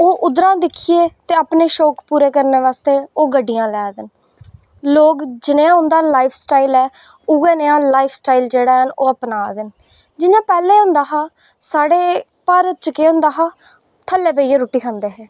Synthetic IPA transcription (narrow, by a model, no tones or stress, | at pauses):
oːʔʊd̪ɾãːd̪ɪkʰieːt̪eːapneːʃɔːkpuːɾeːkəɾneːʋaːst̪eːoːɡəɖːijãːlɛːd̪ɪn | loːkd͡ʒɪnẽːãːɦʊ̃nd̪aːlaːɪpʰsʈaːiːlɛː | ʊɡeːneãːlaːɪpʰsʈaːild͡ʒeːɽaːɦənoːəpnaːd̪ɪn | d͡ʒɪnãːpɛːleːɦõnd̪aːɦaː | saːɽeː | paːɾət̪̚t͡ʃkeːõnd̪aːɦaː | t̪ʰəlːeːpeieːɾuːʈːiːkʰãːnd̪eːɦɛː